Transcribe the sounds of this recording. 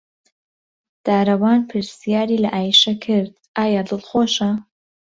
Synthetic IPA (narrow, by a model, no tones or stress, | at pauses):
d̪̥aːɾɐwaːnpʰɨɾsijaːɾiːlɐʔaːjʃɐkʰɪɾd̪ | ʔaːjaːd̪ɨlˠxoːʃɐ